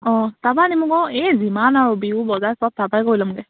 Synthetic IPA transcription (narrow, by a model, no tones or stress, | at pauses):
ɔ̃t̪abanimukɔezimanaɹubiubɔzajsɔb̚t̪abajkoilamuɡɛ